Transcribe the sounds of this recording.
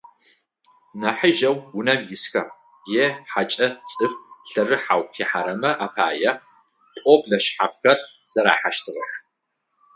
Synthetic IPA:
nɐħɨʒɐwːʊnɐmjɪsxɐ | jeːħat͡ʃʼɐt͡sʼɨfɬɐrɨħawqʰiħaɾɐmɐʔapʰaːjɐ | pʼɔbɮɐʃħafxɐrz̥ɐɾa̰ːħaʃtʰɨʁɐx

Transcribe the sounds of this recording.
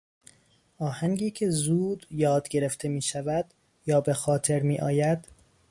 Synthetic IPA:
ʔɒːhæŋɡiːcʰe̞zuːd̪jɒːd̪̥ɟe̞ɾe̞ft̪ʰemiːʃævæd̪̥ | jɒːbe̞xɒːt̪ʰe̞ɾmiːʔɒːjæd̪̥

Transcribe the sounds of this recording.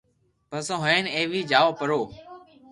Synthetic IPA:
pəsõːɦoeːneːʋiːd͡ʒaːoːpəɾoː

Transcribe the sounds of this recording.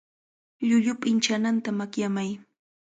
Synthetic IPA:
ʎʊʎʊpɪnt͡ʃanant̪amakjamaj

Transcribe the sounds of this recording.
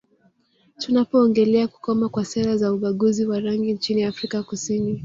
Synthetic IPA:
tunapɔːŋɡɛlɛaku̥kɔmakwasɛɾazauɓaɠuziwaɾaŋɡiɲt͡ʃiniafɾikakusini

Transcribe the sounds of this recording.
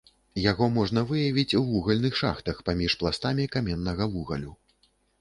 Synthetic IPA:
jaɣɔmɔʐn̪ɐvɨjɐvʲit͡sʲuvuɣɐlʲnɨxʂa̰xt̪ɐxpamʲiʂplˠast̪amʲikamʲɛnːɐɣɐvuɣɐ̰lʲu

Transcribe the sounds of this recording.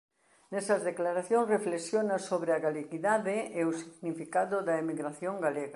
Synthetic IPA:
nɛsɐzðeklaɾaθjõŋsreflesjonasoβɾeaɣaleɣiðaðɪeosiɣnifikaðʊðɐemiɣɾaθjoŋɡaleɣa

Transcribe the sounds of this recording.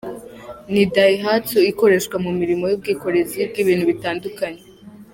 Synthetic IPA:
nidajiɦatuiko̞ɾe̞ʃɡwamumiɾimo̞jub̚ɡiːko̞ɾe̞zib̚ɡiːβiːn̥huβitaːndukaɲe

